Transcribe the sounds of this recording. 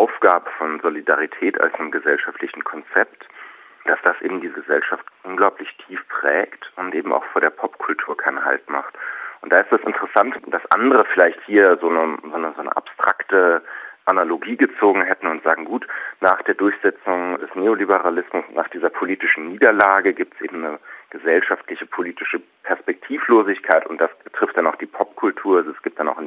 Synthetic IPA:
ʔaʊfɡ̥aːbəfɔnzolidaʁ̞itʰɛːtʰa̰lsnɪmɡəzɛlʃaftlɪçn̩kʰɔnt͡sɛpt | d̥asd̥asʔḛːbm̩diːzəɡəzɛlʃaftʔʊnɡlaʊplɪçtʰiːfpʁ̥ɛːktʊntʔeːbm̩ʔa̰ʊxfoːɐdeːɐpʰɔpkʰʊltʰuːɐkʰaɪnha̰ltma̰χtʔʊnt̚d̥aːɪstɛsɪ̰ntəʁəsantd̥asʔa̰ndəʁəfɪlaɪçthiːɐzoːnəzoːnəzoːnə̰ʔa̰pstʁ̥a̰ktəʔanaloɡiːɡət͡soːɡŋ̩ɦɛtn̩ʊntz̥aːɡŋ̩ɡuːtnaːχd̥eːɐdʊɐçz̥ɛt͡sʊŋdɛsneːolibəʁalɪsmʊsnaːχd̥iːzɐpʰoliːtɪʃn̩niːdɐlaːɡəɡiːp̚tsʔḛːbm̩nəɡ̥əzɛlʃaftlɪçəpʰoliːtɪʃə | pʰɛɐspɛk̚tʰiːfloːzɪçkʰaɪtʊntd̥asb̥ətʁ̥ɪftd̥anaʊxd̥iːpʰɔpkʰʊltʰuːɐzoɛsɡ̥iːp̚td̥anaʊxɪn

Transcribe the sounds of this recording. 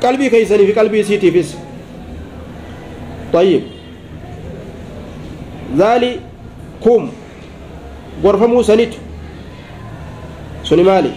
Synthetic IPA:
kʼɐlbikɐjs̬ɐniːfɪkʼɐlbiːsiːt̪iːfɪs | t̪ʼˤɑjːɪb | zaːlɪ | kuːm | ɡɔɾfɐmuːsɐnɪt̪ʊ̥ | sʊnɪmaːlɪ̰

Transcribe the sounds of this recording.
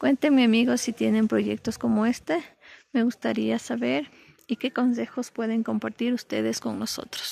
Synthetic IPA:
kwent̪eŋmiamiɣosit̪je̞ne̞mpɾo̞ʝḛk̚t̪osko̞moest̪eme̞ɣust̪aɾiasaβeɾ | ike̞ko̞nse̞xo̞spwe̞ðeŋko̞mpaɾt̪iɾust̪eðesko̞ŋnoso̞̰t̪ɾo̥s

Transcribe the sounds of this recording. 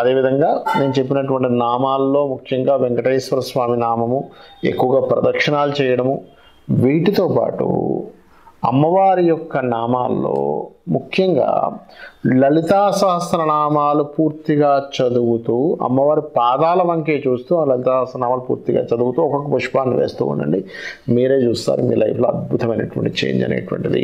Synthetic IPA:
ɐd̪e̞ːʋid̪ʱɐŋɡaːne̞ːnut͡ʃe̞p̬ːinɐʈuʋɐɳʈinaːmaːlːo̞ːmukʰjɐŋɡaːʋeŋɡɐʈɐjsʋɐɾɐsʋaːminaːmɐmue̞̰kːuʋɐɡaːpɾɐ̰d̪ɐkʂɐnaːlut͡ʃɛːjɐɽɐmu | ʋiːʈit̪o̞ːpa̰ːʈṵ | ɐ̰mːɐʋaːɾijɔkːɐnaːma̰ːlːo̰ːmukʰjɐŋɡa̰ː | lɐlit̪aːsɐɦɐsɾɐnaːmaːlupuːɾt̪iɡaːt͡ʃɐd̪uɡut̪uːɐ̰mːɐʋaːɾipaːd̪aːlɐʋɐŋke̞ːt͡ʃuːst̪uːaːlɐlit̪aːsɐsɾɐnaːmaːlupṵːɾt̪iɡa̰ːt͡ʃɐd̪uɡut̪uːɔkɐkːɐpɐʂpaːnːiʋḛːst̪ṵːṵndɐ̰ɳɖi | miːɾe̞ːt͡ʃuːst̪a̰ːɾumḭːlʔɐ̰jpʰloːɐd̪̚bʱut̪ɐmɐjnɐʈʋɐ̰ɳʈiit͡ʃḛːjiɲd͡ʒɐ̰neːʈʋɐ̰ɳʈid̪ḭ

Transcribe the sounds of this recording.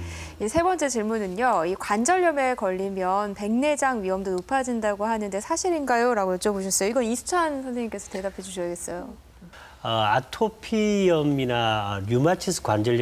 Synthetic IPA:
isʰe̞bʌnt͡ɕ͈et͡ɕiɭmunɯnoikwand͡ʑʌʎːjʌme̞kʌʎːimjʌnpe̞ŋne̞d͡ʑaŋɥiʌmdonopʰad͡ʑindaɡoɦanɯnde̞sʰaɕʰiɾinɡajoɾaɡojʌt͡ɕ͈ʌboɕ̬ʰʌs͈ʌjoiɡʌnisʰu̥t͡ɕʰansʰʌns̬ʰeɲik͈e̞sʰʌte̞dapʰed͡ʑuɕʰʌɡe̞s͈ʌjo | ʌatʰopʰijʌminaɲjumat͡ɕʰisʰkwand͡ʑʌɭj

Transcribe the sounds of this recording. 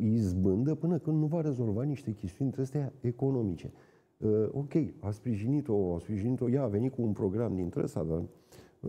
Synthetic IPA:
izbɨnd̪əpɨnəkɨnd̪nuvaɾe̞zo̞lvaniʃt̪e̞kʲest̪ijunʲt̪ɾest̪eae̞ko̞no̞mit͡ʃe̞̰ | əo̞kʲe̞jaspɾiʒinit̪o̞aspɾiʒinit̪o̞jaːve̞nikuːnpɾo̞ɡɾamd̪int̪ɾesa̰d̪a

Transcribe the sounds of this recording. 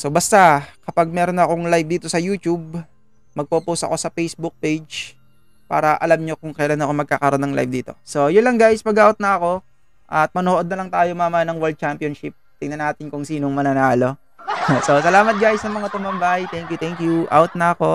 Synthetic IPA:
so̞bɐst̪akɐpaɡ̚mɛːɾonɐɐko̞ŋlajb̚d̪iːt̪o̞sɐjuːt̪ub̚ | mɐɡ̚poposɐ̰ko̞sɐfejsbʊk̚pejd͡ʒ | pa̰ːɾɐʔɐlamɲo̞kʊŋkɐjɐlanɐkoŋmɐɡ̚kaːkɐɾo̞nːɐŋla̰jbd̪iːt̪o̞̰so̞jʊnlɐŋɡaːjspɐɡaot̪̚nɐʔɐko̞ | ʔɐt̪̚mɐnoːʔo̞d̪̚ɐlɐŋt̪aːjomaːmɐnɐŋwɛld̪̚t͡ʃampjonʃɪp̚t̪ɪŋnɐnaːt̪ɪnkʊŋsiːno̞ŋmɐnɐnaːlo̞ | so̞sɐlaːmɐt̪̚ɡaːjɪsnɐŋmɐŋat̪ʊmbɐmbajt̪ɛŋkjʊt̪ɛŋkjuʔa̰ot̪̚nɐɐko̞

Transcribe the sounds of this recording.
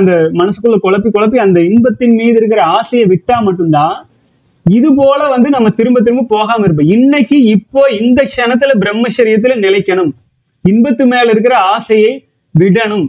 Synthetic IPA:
nd̪ɐmɐnɐsɯ̥kːɯɭːɐkɔɭɐp̬ːikɔlɐp̬ːiɐnd̪ɐɪnbɐt̪ːɪnmiːðɪɾɯkːɪɾɐaːsɐjɐɪʋɪʈːaːmɐʈːɯmt̪ãː | ɪðɯp̬oːlɐʋɐnd̪ɯnɐmːɐt̪ɪɾɯmbɐt̪̬ːɪɾɯmbɯpoːɣaːmɪɾɯpːbɐɪnːɐkːɯɪpːoːɪnd̪ɐkʂɛnɐt̪̬ːɯlɐbɪɾɛmːɐt͡ʃɐɾɪjɐt̪̬ːɪlɐnɪlɐɪkːɐɳɯm | ɪnbɐt̪ːɯmeːlɪɾɯk̬ːɪɾɐaːsɐjɐɪ | ʋɪɽɐɳɯm

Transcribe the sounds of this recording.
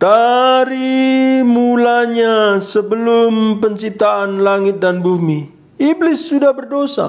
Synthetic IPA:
d̥aɾimulaɲasəbəlʊmpəɲt͡ʃip̚t̪aanlaŋɪt̪̚danbumi | iblɪsːudahbərdosa̰

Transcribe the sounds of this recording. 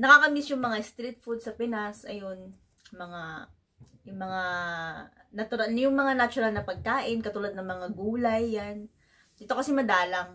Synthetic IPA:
nɐkakɐmisjʊŋmɐŋaɪst̪ɾit̪̚fud̪̚sɐpɪnasʔɐjon | mɐŋa | jʊŋmɐŋa | nɐt̪ʊɾanjʊŋmɐŋanat͡ʃʊɾalnɐpɐɡ̚kaːʔɪnkɐt̪uːlad̪nɐŋmɐŋaɡuːlɐjːan | ʔɪt̪o̞kɐsɛmɐd̪aːlaŋ

